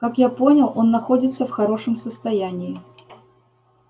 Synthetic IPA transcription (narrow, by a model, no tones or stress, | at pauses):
kakjapo̞nʲɪlˠo̞nːɐxo̞dʲɪt̪səfxɐɾo̞ʂəmsəst̪ɐjænʲɪɪ